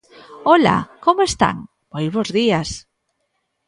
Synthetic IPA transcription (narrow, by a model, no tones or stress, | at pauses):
ola̰komoest̪a̰ŋ | b̥ojzβozðias